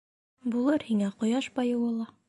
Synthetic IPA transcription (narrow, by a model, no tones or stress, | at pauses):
bulˠɤɾhiŋæqŏjɑʃbɑjɤ̆wɤ̆lˠɑ